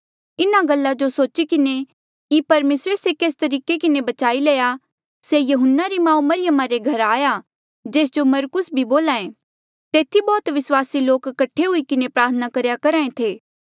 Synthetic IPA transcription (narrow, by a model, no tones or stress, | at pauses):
ɪnaɡɐlːad͡ʒosoːt͡ʃikɪne | kipɐɾmeːsɾesekeːst̪ɐɾiːkekɪnebɐt͡ʃaːileːja | sejɐɦʊnːaɾimãːũmɐɾɪjəmãɾeɡʱɐɾaːja | d͡ʒeːs̬d͡ʒomɐɾkʊsbʱiboːlaːẽ | t̪eːt̪ʰibɔːt̪ʋɪswaːsiloːkkːɐʈʰːeɦʊikɪnepɾaːɾt̪ʰənakɐɾjakɐɾaːẽt̪ʰeː